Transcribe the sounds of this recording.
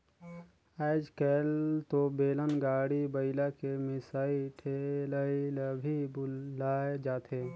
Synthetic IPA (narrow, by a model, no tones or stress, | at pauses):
aɪd͡ʒkɛlt̪obeːlənɡaːɽibəɪlakemɪsaːiʈʰeləiləbʱibʊlaːed͡ʒaːt̪eː